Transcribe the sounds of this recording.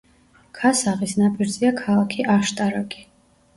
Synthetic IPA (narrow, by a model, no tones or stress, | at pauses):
kʰasaʁisnapʼiɾd̪ziakʰalˠakʰiʔaʃt̪ʼaɾaɡʼi̥